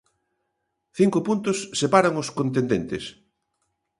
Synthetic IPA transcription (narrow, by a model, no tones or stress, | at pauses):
θiŋkʊpunt̪ʊsːepaɾaŋʊskõnt̪̬ẽnd̪ent̪ɪs